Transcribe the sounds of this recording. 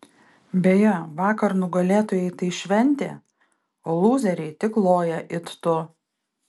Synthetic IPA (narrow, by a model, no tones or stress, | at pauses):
bʲejɛʋɑːkɐɾnʊɡɐlʲeːt̪oːjɛɪt̪ɐɪʃʲʋʲɛnʲt̪ʲḛː | oːlˠuːzʲɛɾʲɛɪt̪ʲɪklˠoːjɛʔɪt̪t̪ʊ